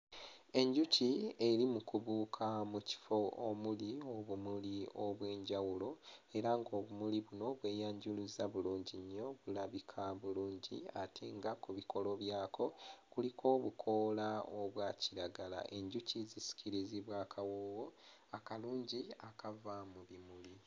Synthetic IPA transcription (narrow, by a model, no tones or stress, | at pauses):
e̞ɲɟucie̞ɾimukuβuːkʰamuci̥fo̞omulio̞βumulioβwe̞ːɲɟawulo̞e̞ɾaŋɡo̞ːβumuliβuno̞βwe̞ːjaːɲɟuluzaβuluːɲɟiɲːo̞βulaβikʰaβuluːɲɟḭatʰeːŋɡakuβiko̞lo̞βjaːko̞kulikʰo̞ːβukʰo̞ːlaoβwaːciɾaɡala̰ʔe̞ɲɟucʰizisi̥ciɾiziβwaːkʰawowo̞ | akaluːɲɟiakavamuβimuli